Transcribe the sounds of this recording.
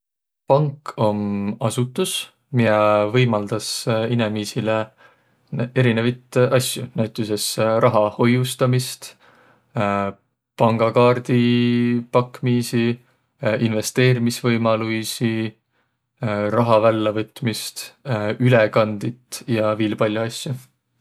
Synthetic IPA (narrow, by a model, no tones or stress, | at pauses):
pɑŋkːo̞mɑsut̪ːˑus | miɑvɤjmɑld̪̥ɑsinemiːsile | ne̞ɾinevɑjt̪ʔɑsʲjunæɥt̪ːˑuse̞srʔɑɦɑho̞just̪ɑmist̪ | pɑŋɡ̥ɑkɑːrd̪̥ipɑkːmiːsi | ʔinve̞st̪e̞ːɾimisvɤjmɑlujsi | rɑɦɑvælːevɤt̪ːˑmist̪ylekɑnd̪̥it̪jɑviːlpɑlʲjuɑsʲju